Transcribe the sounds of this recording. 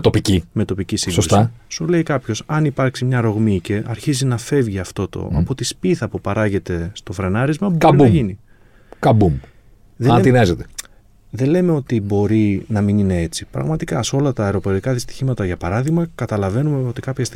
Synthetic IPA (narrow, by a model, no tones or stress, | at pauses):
t̪opicime̞t̪o̞picisiɡsosusisule̞ikɐpço̞sɐnipɐɾksimɲɐɾo̞ɣmice̞ʔɐɾçizinɐfe̞vʝiɐft̪o̞t̪o̞̰ɐ̰po̞t̪ispiθɐpupɐɾɐʝe̞t̪e̞st̪o̞fɾe̞nɐɾizmɐpubɐɾiɐumʝini | kɐbum | ðet̪inɐzet̪e̥ | ðe̞le̞me̞o̞t̪ibo̞ɾinɐminine̞e̞t͡si̥pɾɐ̰ɣmɐt̪ikɐso̞lɐt̪ɐɐeɾo̞po̞ɾikɐðist̪i̥çimɐt̪ɐʝɐpɐɾɐðiɣmɐkɐt̪ɐlɐve̞numeo̞t̪i̥kɐpçɐst̪